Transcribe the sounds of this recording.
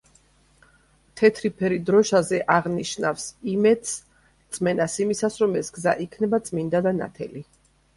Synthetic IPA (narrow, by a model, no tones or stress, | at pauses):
t̪ʰɛt̪ʰɾipʰɛɾid̪ɾɔʃazɛʔaʁniʃna̰fsimɛd̪s | t̪sʼmɛnasimisasɾɔmɛsɡza̰ʔikʰnɛbat̪sʼmind̪ad̪ana̰t̪ʰɛ̰li